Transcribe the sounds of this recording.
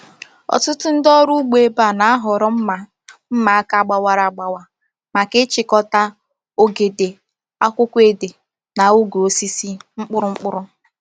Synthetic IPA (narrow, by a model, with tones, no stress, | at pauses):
ɔ̰˨tʊ˦tʊ˦n̩˦dɔ˦ɾu˦ɡ͡be˨˦ba˦˨na˨˦a˦ɦɔ˨ɾɔ˦m̩˦ma˨ | m̩˦ma˨a˦ka˦ɡ͡ba˨wa˨ɾa˨ɡ͡ba˨wa˨ | ma˨kɪ˦t͡ʃɪ˦kɔ˦ta˦ | o˦ɡe˨de˨ | a˦kʷʊ˦kʷe˦de˨ | na˨u˦ɡo˦si˦si˦ŋ͡m̩˦k͡pʊ˦ɾʊ˦ŋ͡m̩˦k͡pʊ˦ɾʊ˦